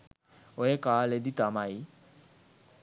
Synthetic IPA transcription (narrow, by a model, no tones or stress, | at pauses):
ojekaled̪it̪amai